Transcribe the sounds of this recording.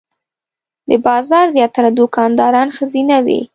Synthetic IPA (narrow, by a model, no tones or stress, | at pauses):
d̪əbɑzɑɾzjɑt̪aɾad̪ʊkɑnd̪ɑɾɑnxəzinawḭ